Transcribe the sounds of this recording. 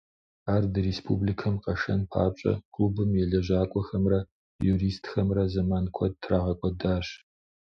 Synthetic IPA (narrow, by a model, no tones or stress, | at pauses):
aːrdɨrespʰṵblikʰɐmqɐʂɐ̰npʰa̰ːɕʼɐ̰kʰʼuːbɨmjɛɮɐʑaːkʷʼɔxɐmrɐ | juɾiːstʰxɐmrɐzɐmaːnkʷʰɔt̚tʰraːʁɐkʷʼɔdaːɕ